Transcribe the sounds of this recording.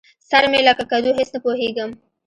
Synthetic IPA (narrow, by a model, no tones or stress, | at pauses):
saɾmelakakad̪uɦesnapoɦeɡəm